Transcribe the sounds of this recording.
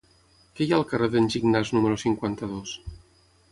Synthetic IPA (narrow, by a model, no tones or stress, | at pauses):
kejalˠkəreðenʲʒiɡnaznuməɾosiŋkwant̪əðos